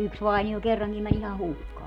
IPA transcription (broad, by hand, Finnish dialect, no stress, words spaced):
yks ʋɑinio kerːɑŋkim mæn ihɑ hukːɑː